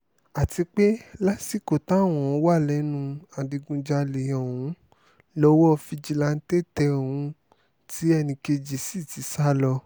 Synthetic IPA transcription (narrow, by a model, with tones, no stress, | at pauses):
a˨ti˧k͡pe˦la˦si˦˨ko˨tã˨˦˨w̃ɔ̃˨ɔ˧˦wa˦˨lɛ˨˦nũ˧a˨di˧ɡũ˧d͡ʒa˧le˨jɔ̃˨wũ˦ | lɔ˧˦wɔ˦˧fi˧d͡ʒi˨˧la˧n̩˦te˦˨tɛ˧o˨wũ˧ | ti˨˦ɛ˦˧nĩ˧ke˧d͡ʒi˨si˦˨ti˨˦sa˦lɔ˧